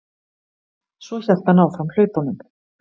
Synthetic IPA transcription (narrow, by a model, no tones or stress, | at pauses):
svɔçɛl̥t̪hanaːwfɾaml̥œːɥp̪awnʏm